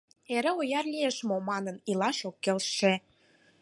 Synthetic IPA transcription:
eɾĕojɑrlieʃmomɑnənilɑʃokːelʃːe

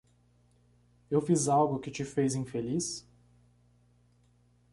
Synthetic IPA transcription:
ewfizawɡʊkɪt͡ʃɪfejzĩfelis

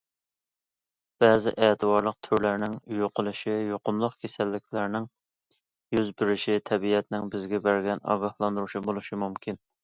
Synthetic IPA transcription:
b̥ɛːzɪ̰ʔɛːt̪ʰɨbɑɾlˠəq̚t̪ʰyɾlæɾnɪŋjoqʰʊlˠɨʃijoqʊmlˠʊqkʲʰesɛlːɪkʲʰlæɾnɪŋ | jyzbɪɾɪʃɪt̪ʰɛbiɛt̪nɪŋbɪzɡʲɛbæɾɡʲɛnɑ̰ɡɑhlˠɑnd̪uɾuʃibolˠuʃimumkʲʰin

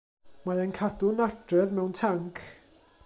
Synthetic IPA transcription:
maənkʰadʊnad̥rɛðmɛwntʰaŋkʰ

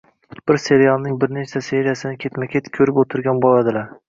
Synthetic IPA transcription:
b̥ɪɾse̞ɾijalˠnɪŋbɪɾnet͡ʃsase̞ɾɪjasɪnɪkʲʰe̞t̪makʲʰet̪kʲʰɵɾɪpot̪ʰɪɾɡʲanbolˠad̪ɪlaɾ

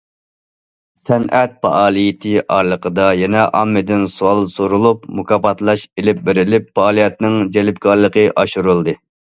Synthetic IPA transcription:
sɛnɛt̪̚pɑ̰ʔɑːlˠijɪt̪ʰɪʔɑɾlˠəqʰəd̪ɑjɛnɛʔɑmːɪd̪ɪnsuwɑlˠsoɾulˠupmukʰɑpɑt̪lˠɑʃelɪp̚bɪɾɪlɪpːɑɑːlˠijɛt̪nɪŋd͡ʒɛlɪp̚kʰɑɾlˠəqəʔɑʃuɾulˠd̪ɨ

